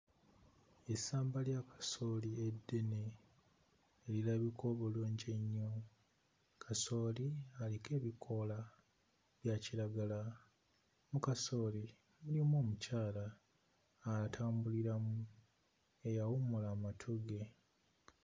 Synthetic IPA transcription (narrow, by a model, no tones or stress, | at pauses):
esaːmbaljakḁso̞ːliedːe̞ne | lilaβikʰo̞βoluːɲɟeɲːo | kʰaso̞ːlialike̞ːβikʰo̞la | βjaciɾaɡala | mukaso̞ːli | mulimwo̞ːmucaːlaː | tʰaːmbuliɾamu | e̞jawumulaːmatʰoɡe̞